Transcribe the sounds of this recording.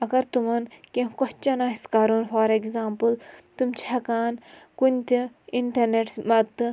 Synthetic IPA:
ɐɡɐɾt̪umɐnkẽkɔt͡ʃɐnaːiskaːɾunfaːɾeɡzaːmpɨlt̪umt͡ʃʰɦɐkaːnkunʲt̪iiɳʈɐɾneʈmɐt̪ː

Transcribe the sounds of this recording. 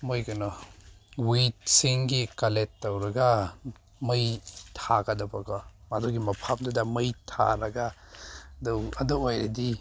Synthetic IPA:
mojkɐnɔ | wit̚siŋɡikaletːɐwɾɐɡa | mɯjtʰaɡɐdɐbaɡɔmadoɡimɐpʰap̚dɐdɐmɯjtʰa̰ɾɐɡa | dɔɐdɔwojɾedi

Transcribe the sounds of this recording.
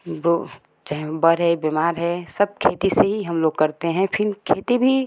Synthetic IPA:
bo | d͡ʒɛɦɛ̃bəɾɦɛbemaːɾɦɛsəb̚kʰeːt̪iseɦiɦɐmloːɡ̚kɐɾt̪eɦɛ̃pʰɪnkʰeːt̪ibʱi

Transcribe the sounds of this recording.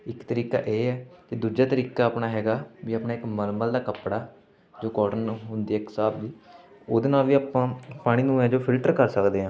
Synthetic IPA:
ɪkt̪əɾiːka̰ːʔeːɛːked̪uːd͡ʒaːt̪əɾiːkaːpnaːɦɛːɡaːʋiːaːpnaːɪkməlməld̪aːkəpɽaː | d͡ʒoːkɔːʈənɦʊnd̪iːɛːksaːbd͡ʒiː | oːd̪eːnaːlʋiːaːpãːpaːɽ̃iːnũːɦɛ̃ːd͡ʒoːpʰɪlʈəɾkəɾsəkd̪eːɦãː

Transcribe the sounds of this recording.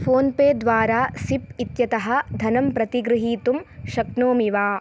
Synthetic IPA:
fʰoːnpeːd̪ʋaːɾaːsip̚it̪jɐt̪ɐɦɐ̆d̪ʱɐnɐmpɾɐt̪iɡɾɨɦiːt̪umʃɐknoːmiʋaː

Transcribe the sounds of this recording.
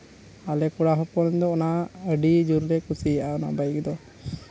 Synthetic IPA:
alɛkuɽaɦɔpɔnd̪ɔːnaəɖid͡ʒuɾɾɛkusijaʔaɔna̰bajikd̪ɔ

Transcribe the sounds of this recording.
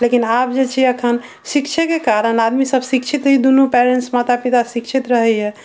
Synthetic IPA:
lekinap̚d͡ʒet͡ʃʰiəkʰən | sikt͡ʃʰəkekaɾənad̪misəbʱsikt͡ʃʰit̪ɦid̪unupeɾeɳʈsmat̪apit̪asikt͡ʃʰit̪ɾəɦɛɦɛ

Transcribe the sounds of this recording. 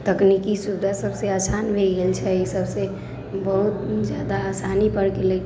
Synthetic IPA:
t̪əknikisubd̪ʱasəbseasʰanbʱeɡelt͡ʃʰɛisəbse | bəɦut̪̚d͡ʒjad̪aːsanipəɾkele

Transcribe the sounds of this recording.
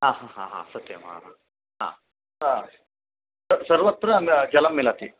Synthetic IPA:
ɦaːɦaɦa̰ɦa̰sɐt̪jɐ̰ma̰ɦaː | ɦa̰ː | a | sɐɾʋɐt̪ːɾɐnd͡ʒɐlɐmːilɐt̪i

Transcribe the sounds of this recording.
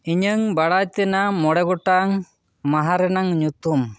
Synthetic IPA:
iɲəŋbaɽat̪ɛnamɔɽɛɡɔʈaŋ | maɦaɾɛnaŋɲut̪um

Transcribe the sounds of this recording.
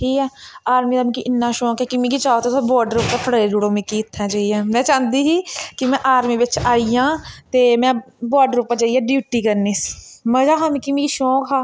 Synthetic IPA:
ʈʰiːkɛːaːɾmiːd̪aːmĩːkiʔɪnːãːʃõːkekɪmĩːkit͡ʃaːt̪ot̪oːbɔːɖəɾupt̪aːpʰəɽəːeːd͡ʒuːɽoːmĩːkiːt̪ʰːãːd͡ʒaːiːɛːmɛ̃ːt͡ʃãːnd̪iːɦiːkɪmɛ̃ːʔaːɾmiːʋɪt͡ʃaːijãːt̪eːmɛ̃ː | baːɖɾupat͡ʃaːiːɛːɖjuːʈiːkəɾniːsmə̃d͡ʒaːɦaːmĩːkɪmĩːkiʃõːkʰaː

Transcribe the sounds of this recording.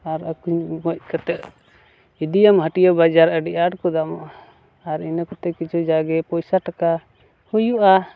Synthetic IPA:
aɾakuɲmɔc̚kat̪ɛʔ | id̪ijamɦəʈijɔbad͡ʒaɾəɖiʔaɖkɔd̪amɔʔaː | ɾinakɔt̪ɛkit͡ʃʰɔd͡ʒaɡɛpɔjsaʈaka | hujuʔa

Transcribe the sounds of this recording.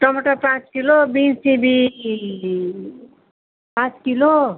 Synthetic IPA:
ʈʌmʌʈʌpãt͡skilobinsĩbi | pãt͡skilo

